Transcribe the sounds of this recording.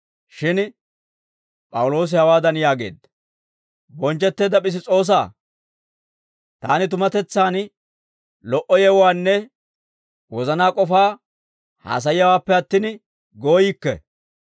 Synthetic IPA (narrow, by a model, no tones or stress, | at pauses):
ʃɪn | pʼɐwʊlo̞ːs̬ɪhɐwaːd̪ɐnjaːɡe̞̰ːd̪ɐ | bɔnt͡ʃːɛt̪ːeːd̪ɐpɪs̬ɪt͡sʼo̞ːs̬a̰ː | t̪aːnɪt̪ʊmɐt̪ɛt͡sːaːn | lɔʔɔjɛwwaːnːɛ | wɔzɐnaːkʼɔfaː | ha̰ːs̬ɐjɪjɐwaːpːɛɐt̪ːɪn | ɡoːjɪkːɛ̰